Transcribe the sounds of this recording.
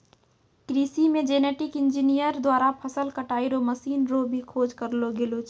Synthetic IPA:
kɾiːsimẽd͡ʒeːneːʈɪkɪ̃nd͡ʒinijəɾd̪waːɾapʰəsəlkəʈaːiɾoməsiːnɾobʱikʰoːd͡ʒkəɾloɡeːlot͡ʃʰ

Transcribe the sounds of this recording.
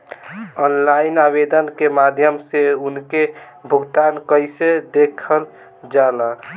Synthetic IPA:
ɔnlainabed̪ənkemad̪ʱjəmseunke | bʱuɡt̪ankəjsed̪ekʰəl | d͡ʒala

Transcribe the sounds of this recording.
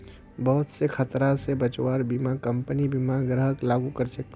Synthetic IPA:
bɐɦʊt̪sekʰɐt̪ɾasebət͡ʃwaːɾbimakɐ̃mpənibimaɡɾəɦəklaːɡukəɾsək̚t̪

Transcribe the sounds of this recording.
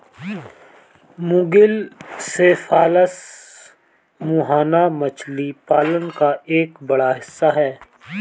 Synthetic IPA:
mʊ̃ɡɪlsefaːləs | muːɦaːnamɐt͡ʃlipaːlənkaʔeːkbɐɽaɦɪsːaɦɛː

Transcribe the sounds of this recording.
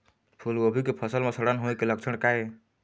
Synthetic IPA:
pʰulobʱikepʰʌsəlmesəɽənɦoekelək̚t͡ʃʰəɳkae

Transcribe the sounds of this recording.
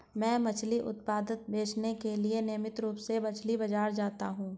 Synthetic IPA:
mɛ̃ːmɐt͡ʃʰliʔʊ̰t̪paːd̪ɪt̪̚beːt͡ʃnekelienejmɪt̪ɾuːpsebɐt͡ʃʰlibɐd͡ʒaːɾd͡ʒaːt̪aɦũː

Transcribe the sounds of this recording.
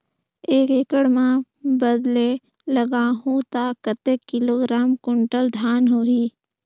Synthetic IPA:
eːkeːkəɽmã | bəd̪le | ləɡaːɦũt̪aːkət̪eːkːɪloːɡɾaːmkʊɳʈəld̪ʱaːnɦoːɦiː

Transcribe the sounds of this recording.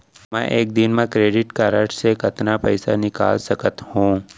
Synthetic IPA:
mɛ̃ʔeːk̚d̪ɪnmẽkɾeːɖɪʈkaːɾəʈsekɐt̪napɛɪsanɪka̰ːlsɐkət̪hũː

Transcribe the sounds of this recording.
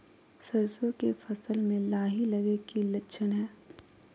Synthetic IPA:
sɐɾsõkefɐsəlmẽlaːɦilɐɡekilɐtːʃʰənɦɛː

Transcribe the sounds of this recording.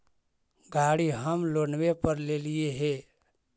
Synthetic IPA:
ɡaːɽiɦəmloːnwepəɾleːlieɦe

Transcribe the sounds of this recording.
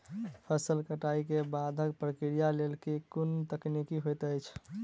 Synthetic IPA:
pʰəsəlkəʈaikebad̪ʱək̚pɾəkɾijalelkekunt̪əknikiɦojt̪əjt͡ʃʰ

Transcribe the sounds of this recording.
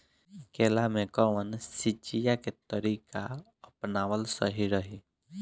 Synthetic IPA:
keːlamẽkɔʋənsit͡ʃijaket̪əɾika | əpnaːwəlsəɦiɾəɦi

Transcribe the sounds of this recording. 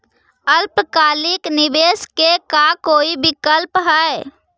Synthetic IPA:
əlpkaːliknibeːskekakoːibikəlpɦəe

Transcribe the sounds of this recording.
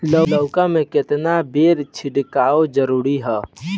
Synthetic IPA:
ləəʊkãmẽkɪt̪nabeːɾt͡ʃʰɪɖkaːod͡ʒəɾuːɾiɦɛ

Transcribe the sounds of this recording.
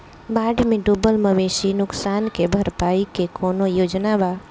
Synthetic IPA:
baːɖʱmẽɖubəlməʋeːʃinʊksaːnkebʱəɾpaːikekoːnojoːd͡ʒnaba

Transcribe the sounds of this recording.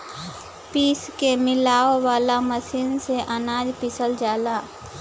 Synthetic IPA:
piːskemɪlaːoʋaːlaməsiːnseʔənaːd͡ʒpɪsəld͡ʒaːlaː

